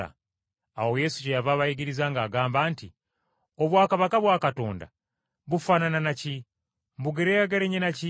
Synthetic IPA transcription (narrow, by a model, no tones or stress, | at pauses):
a̰ | awo̞je̞ːsucejavaːβaiɡiɾizaŋɡaːɡaːmbaːnti | oβwaːkaβakaβwaːkato̞ːnda̰ | βufanananaci | mbuɡeɾejaɡeɾeɲenaci